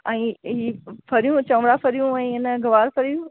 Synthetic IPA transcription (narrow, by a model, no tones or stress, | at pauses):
ɛ̃ːɦiːfʰɐɾijũt͡ɕɐ̃ʋɽafʰɐɾijũɛ̃ːɪnəɡɐʋaːɾfʰɐɾijũ